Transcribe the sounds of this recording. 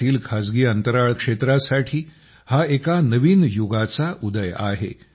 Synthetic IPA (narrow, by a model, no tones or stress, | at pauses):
iːlkʰad͡zɡiːənt̪əɾaɭkʂet̪ɾasaʈʰiː | haekanəʋiːnjoɡat͡saʔud̪əja̰ɦḛ